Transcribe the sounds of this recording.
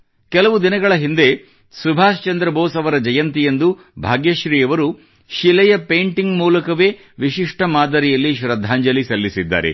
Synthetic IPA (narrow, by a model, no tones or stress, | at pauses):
kɛlɐʋud̪inɐɡɐɭɐɦind̪e̞ | subʱaːst͡ʃɐnd̪ɾɐboːsɐʋɐɾɐd͡ʒɐjɐnt̪ijend̪u | bʱaːɡjɐʃɾiːɐʋɐɾu | ʃilɛjɐpejɳʈiŋɡmuːlɐkɐʋeː | ʋiʃiʂʈɐmaːd̪ɐɾijɐlːiʃɾɐd̪ʱːaːɲd͡ʒɐlisɐlːisid̪ːa̰ːɾḛ